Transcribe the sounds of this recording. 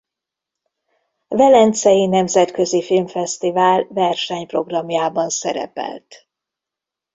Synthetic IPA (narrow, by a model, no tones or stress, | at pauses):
vɛlɛnt̪sɛjinɛmzɛt̪kø̞zifilmfɛst̪ivaːlvɛrʃɛɲpro̞ɡrɒmjaːbɒnsɛɾɛ̰pɛ̰lt̪